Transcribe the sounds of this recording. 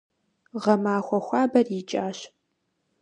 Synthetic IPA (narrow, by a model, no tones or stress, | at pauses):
ʁɐmaːxʷɔxʷɑːbɐrjɪt͡ʃʼaːɕ